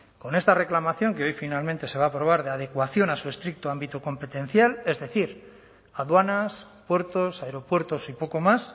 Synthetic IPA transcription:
ko̞ne̞st̪are̞klamaθjo̞ŋkeo̞jfinalmẽnt̪e̞se̞β̞aːpɾo̞β̞aɾð̞eað̞e̞kwaθjo̞nasue̞st̪ɾik̚t̪oambit̪oko̞mpet̪ẽ̞n̟θjale̞zðe̞θiɾ | aðwanas | pwe̞ɾt̪osaeɾo̞pwe̞ɾt̪o̞sipo̞ko̞mas

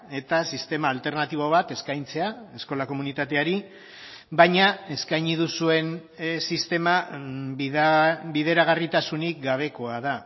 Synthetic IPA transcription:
e̞t̪asist̪e̞maːlt̪e̞ɾnat̪iβ̞oβ̞at̪e̞skajnt͡se̞ae̞sko̞lako̞munit̪at̪e̞aɾi | βajɲae̞skajɲiðusue̞nsist̪e̞ma | biðe̞ɾaɣ̞arit̪asunik̚ɡaβ̞e̞ko̞aða

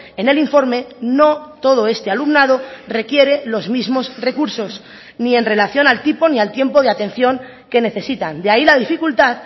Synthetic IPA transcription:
e̞ne̞liɱfo̞ɾme̞no̞t̪o̞ð̞o̞e̞st̪e̞alumnað̞o̞re̞kje̞ɾe̞lo̞zmizmo̞sre̞kuɾso̞s | nie̞nre̞laθjo̞nalt̪ipo̞nialt̪je̞mpo̞ðeat̪e̞n̟θjo̞ŋ | ke̞ne̞θe̞sit̪and̪eailaðifikult̪að

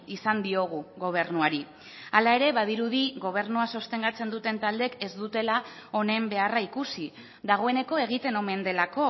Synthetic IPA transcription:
isand̪io̞ɣ̞uɣo̞β̞e̞ɾnuaɾi | alae̞ɾe̞βaðiɾuðiɣo̞β̞e̞ɾnuaso̞st̪e̞ŋɡat͡se̞nd̪ut̪e̞nt̪ald̪e̞ke̞zd̪ut̪e̞lao̞ne̞mbe̞araikusi | d̪aɣo̞e̞ne̞ko̞e̞ɣ̞it̪e̞no̞me̞nd̪e̞lako̞

